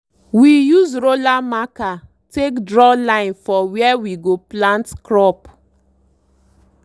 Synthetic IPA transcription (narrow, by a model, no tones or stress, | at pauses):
wijuzɾolamaka | tekdɾɔlaɪ̃nfɔwiɛwiɡoplãntkɾɔp